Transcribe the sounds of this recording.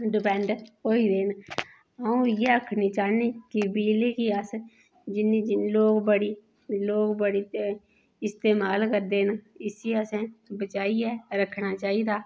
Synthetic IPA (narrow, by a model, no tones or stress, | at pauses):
ɖɪpɛ̃ːɳɖɦoːiːɾeːn | əũːɪjeːəkʰniːt͡ʃaːniːkɪbiːleːkiəs | d͡ʒɪnĩːd͡ʒɪloːkbəɽiː | loːkbəɽiː | ɪst̪eːmaːlkəɾd̪eːnɪsiːəsɛ̃ːbət͡ʃaːiːɛːɾəkʰːnaːt͡ʃaːiːd̪aː